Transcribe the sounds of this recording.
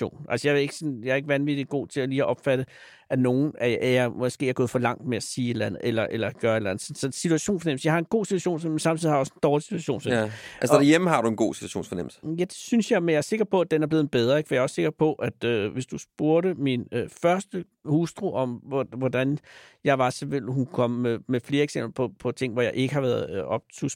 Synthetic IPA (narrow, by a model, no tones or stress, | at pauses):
o̝̰ːnʔælsəjɑ̈ʋe̝ɡ̥əsɔ̽njɑæɐe̝ɡ̥əʋænʋid̥iɡ̥o̝̰ːt͡sʰe̝læliːæʔɒ̽b̥fæɾ̥ə | æno̝ːn̩ææjɑmɒ̽sɡ̥e̝̰ːæɐɡɔ̽ðˠfɒ̽lɑ̈ŋ̰d̥meæsiːe̝d̥lænð̩ˠelɐʔelɐɡ̥ɶːɐedlæn̩ð̩sɒnsɒ̽sit͡sʰuæɕo̝̰ːnfɒnem̰̩səjɑ̈ɪhɑ̈e̝nɡ̥o̝̰ːsit͡sʰuæɕo̝̰ːnsfɒnemensɑmt͡sʰið̩̰ˠhɑjɒ̽send̥ɒːlisi̥dʰu̥æɕo̝̰ːnfḛælsd̥æjeməɦɑ̈d̥uenɡ̥o̝̰ːsi̥u̥æɕo̰ːnfɒneməl̩sə̥jæd̥e̝̥synsjɑ̈ɪmenjɑæɐse̝ɡ̥ɐpʰɒ̽æd̥enæɐb̥le̝ːð̩ˠb̥eð̞ˠɐeɡfɒjɑɐɒ̽sːe̝ɡ̥ɐpʰɒ̽ʔæd̥øʋe̝sd̥usb̥uɐɾəminfɶɐsd̥ə | husd̥ʁoʔɒ̽mɒʋɒd̥ænjɑ̈ɪʋɑ̈seʋel̰hunkʰɒ̽m̰ːemefle̝ːɐeɡ̥sem̰b̥l̩ɐpʰɒ̽pʰɒ̽t͡sʰe̝ŋ̰ʋɒjɑɪʔe̝ɡ̥əhɑ̈ʋæːɐðˠɒ̽b̥̚t͡sʰus